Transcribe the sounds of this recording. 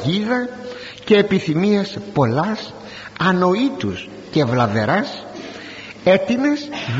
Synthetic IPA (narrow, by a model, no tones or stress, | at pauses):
ʝiðɐ | ce̞ːpiθimiɐspo̞lɐs | ɐno̞it̪us | ce̞vlɐve̞ɾɐs | e̞t̪inesð